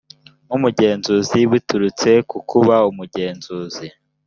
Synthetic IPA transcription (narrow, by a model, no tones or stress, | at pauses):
mumuɟe̞ːnzuːziβutuɾut͡se̞kukʰuβaumuɟe̞ːnzuːzi